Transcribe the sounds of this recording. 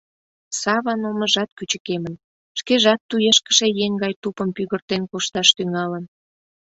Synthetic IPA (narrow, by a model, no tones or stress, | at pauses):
sɑβɑnoməʒɑt̪kyt͡ɕəkemən | ʃkeʒɑt̪ːujeʃkə̥ʃejeŋɡɑjt̪upəmpyɣərt̪enkuʃt̪ɑʃt̪yŋɑlən